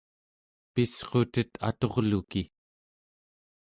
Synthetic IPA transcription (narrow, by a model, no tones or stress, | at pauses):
pisqot̪ət̪ʰa̰t̪o̞ʁluki